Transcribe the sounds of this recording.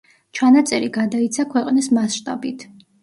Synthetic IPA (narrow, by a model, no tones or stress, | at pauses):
t͡ʃʰanat̪sʼɛɾiɡad̪ait̪sʰakʰwɛqʼnismasʃt̪ʼabit̪ʰ